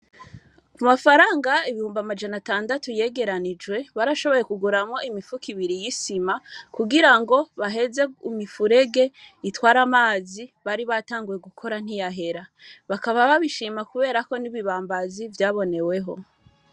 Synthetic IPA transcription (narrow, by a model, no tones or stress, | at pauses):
kumafaɾaːŋɡaiβihuːmbamad͡ʒanataːndatuje̞ːɡe̞ɾanid͡ʒɡwe̞βaːɾaʃo̞βo̞je̞kuɡuɾamŋo̞ʔimifukʰiβiɾijisimakuɡiɾaŋɡo̞βaɦe̞ze̞umifuɾe̞ɡe̞itwaːɾamaːziβaɾiβataːŋɡuje̞ɡukʰo̞ɾan̥ijaɦe̞ɾaβakaβaβaβiʃiːmakuβe̞ːɾako̞niβiβaːmbazivjaːβo̞ne̞we̞ɦo̞